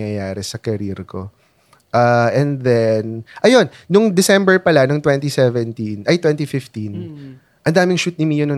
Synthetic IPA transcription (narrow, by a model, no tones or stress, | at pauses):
jɐjaːɾɛsɐkɛɾiɾko̞ | ʔaʔɛnd̪ɛnʔɐjo̞nːʊŋd̪ɛsɛmbɛɹpɐlanʊŋt̪wɛ̃nt̪isɛvɛnt̪inʔɐjt̪wɛnt̪ifɪft̪in | ʔɐnd̪aːmɪŋʃut̪̚nɪmijʊnɐ